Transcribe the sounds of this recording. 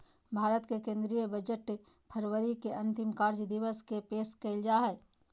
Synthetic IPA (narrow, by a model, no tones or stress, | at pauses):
bʱaːɾət̪kekẽːnd̪ɾijəbəd͡ʒəʈ | pʰəɾwəɾikeʔɐ̃nt̪ɪmkaːɾd͡ʒd̪ɪwəskepeːskəɪld͡ʒaɦɛ